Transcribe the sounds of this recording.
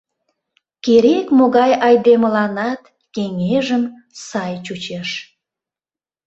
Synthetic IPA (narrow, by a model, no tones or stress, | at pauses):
keɾekmoɣɑjɑjd̪eməlɑnɑt̪ | keŋeʒəm | sɑjt͡ɕut͡ɕeʃ